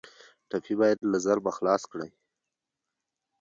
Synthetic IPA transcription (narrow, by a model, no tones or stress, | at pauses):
ʈafibɑjad̪lazaɾbaxlɑskɽa̰j